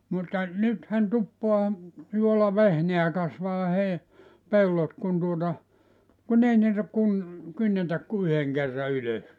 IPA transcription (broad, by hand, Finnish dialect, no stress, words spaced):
mutːɑ nythæn tupːoɑ juolɑʋehneæ kɑsʋɑː hei pelːot kun tuotɑ kun ei niːtæ kun kynːetæk ku yheŋ kerːɑ yløs